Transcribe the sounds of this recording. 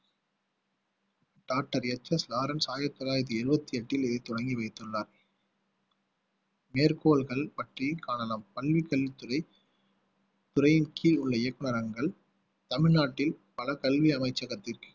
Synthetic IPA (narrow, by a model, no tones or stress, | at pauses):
ɖ̥aːk̚ʈːɐɾɛt͡ʃːɐslaːɾɐnsaːjɪɾɐt̪ːɔlaːjɪɾðɯɪɾɯbɐt̪ːiɐʈːɪlɪðɐɪt̪ɔɽɐŋɡiʋɐɪt̪ːɯɭːaːɾ | meːɾkoːlɣɐɭpɐʈrikaːɳɐlaːmpɐlʋikɐlʋit̪ːʊɾɐɪ | t̪ʊɾɐjɪnkʰiːlʊɭːɐɪjɐkːɯɳɐɾɐŋɡɐɭ | t̪ɐmɪɻnaːʈːɪlpɐlɐkɐlʋiɐmɐɪt͡ʃːɐɣɐt̪ːɪrkɯ̥